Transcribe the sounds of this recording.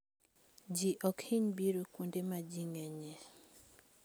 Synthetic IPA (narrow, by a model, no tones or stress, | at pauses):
d͡ʒiʔɔkhiɲbiɾokundemad͡ʒiŋɛɲe